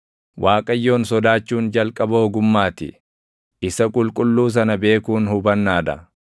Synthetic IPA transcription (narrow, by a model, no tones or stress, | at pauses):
wʔaːkʼɐjːo̞ːnsɔd̪aːt͡ʃːuːnd͡ʒɐlkʼɐboːɡʊmːaːt̪ɪ̰ | ɪsɐkʼʊlkʼʊlːuːs̬ɐnɐbe̞ːkuːnhʊbɐnːaːd̪ɐ̰